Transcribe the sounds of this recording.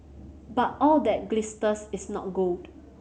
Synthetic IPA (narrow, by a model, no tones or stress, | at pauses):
bat̚ɔldɛt̚ɡlɪstəsɪsnɔ̰t̚ɡold